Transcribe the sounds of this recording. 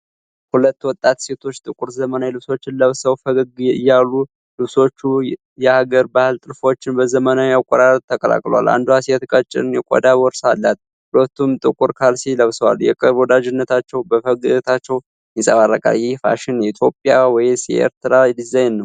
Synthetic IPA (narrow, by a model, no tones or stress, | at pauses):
hulət̪ːwɔt̪ʼːat̪se̞t̪ʰo̞t͡ʃːt̪ʼɨkʼuɾzəmənajɛlɨβso̞t͡ʃːɪnləβsəwfəɡɨɡɨ̰jːalːu | lɨβso̞t͡ʃːu | jɛhaɡəɾbahɨlt̪ʼɨɾfo̞t͡ʃːɪnbəzəmənajakʼːɔɾaɾət̪t̪ʰːəkʼəla̰kʼlwa̰lʔa̰nd̪uhasɛt̪kʼət͡ʃʼːɪ̰ɾɨnjɛkʼɔ̰d̪awɔɾsalːat̪̚ | hulət̪ːumt̪ʼɨkʼuɾkʰalsiləβsəwa̰ljɛkʼɨɾβwɔd̪ad͡ʒɪnːət̪ʰat͡ʃːɛwbəfəɡt̪ʰat͡ʃːɛw | jɪsʼəβarːə̰kʼa̰ljɪhfa̰ʃɪnjɛit̪ʰjo̞pʼjawɔjsjɛ̰ʔḛɾt̪ʰɨɾajɛd̪ɨzajnːəw